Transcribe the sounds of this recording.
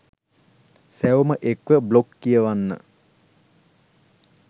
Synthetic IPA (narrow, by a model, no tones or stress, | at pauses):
sæwuməʔekʋəblokːijəʋanːə̰